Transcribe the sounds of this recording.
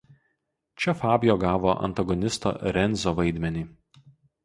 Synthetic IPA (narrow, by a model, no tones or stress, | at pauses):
t͡ʃʲɛfɑːbʲjoːɡɑːʋoːʔɐ̰nt̪ɐɡɔnʲɪst̪o̰ːɾʲɛnʲˑzʲoːʋɐɪd̪ʲmʲɛnʲiː